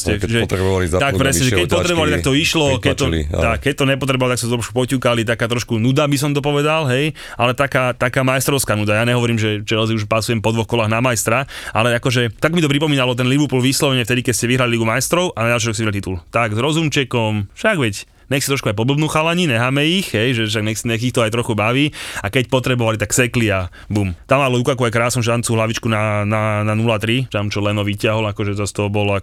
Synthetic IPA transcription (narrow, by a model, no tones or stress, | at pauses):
sɛʒɛt̪ɾɛbalit̪akpɾɛsɲɛʒɛkɛpɔt̪ɾɛbɔʋalit̪akt̪ɔiʃlɔkɛt̪ɔ̰t̪akkːɛc̚t̪ɔɲɛpɔt̪ɾɛbɔʋalɔt̪aksɛt̪t̪ɾɔʃku̥pɔcuːkalit̪akaːt̪ɾɔʃkunud̪abis̬ɔmt̪̬ɔpɔʋɛd̪alɦɛj | alɛt̪akaːt̪akaːmajɛst̪ɾɔʊskaːnud̪ajaːɲɛɦɔʋɔɾiːmʒɛt͡ʃɛɾɔziuʃpasujɛmpɔd̪ʋɔxkɔlaːɣnamajst̪ɾaʔa̰lɛakɔʒɛt̪akmit̪ɔpɾipɔmiːnalɔt̪ɛnliʋuplʋislɔʋɛɲɛft̪ɛd̪ikɛcscɛʋiɦɾaliliɡumajst̪ɾɔʊʔanaɟalʃiɾɔksɛʋiɾalit̪it̪ult̪aɡzɾɔzumt͡ʃɛkɔmfʃaɡʋɛc | ɲɛxsit̪ɾɔʃkuajp̬ɔblɔbnuːxalaɲinɛɦaːmɛixɦɛjʒɛʃaɡɲɛxsɲɛxixt̪ɔajt̪ɾɔxubaʋiːakɛc̚pɔt̪ɾɛbɔʋalit̪aksɛklia | bumt̪amalɔjukakuajkɾaːsnumʒɛt̪ant͡suːɦlaʋit͡ʃkunanananulat̪ɾit̪amt͡ʃɔlɛnɔʋicɪaɦɔlakɔʒɛzast̪ɔɦɔbɔlɔa